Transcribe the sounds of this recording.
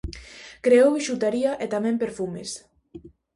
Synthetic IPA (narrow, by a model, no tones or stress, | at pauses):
kɾeowiʃut̪aɾiɐʔet̪amɛ̃mpeɾfumes